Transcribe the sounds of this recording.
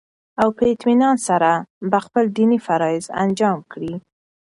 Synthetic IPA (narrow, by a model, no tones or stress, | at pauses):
awpəɪt̪minɑnsaɾabəxpəld̪inifaɾɑɪza̰nd͡ʒɑmkɽi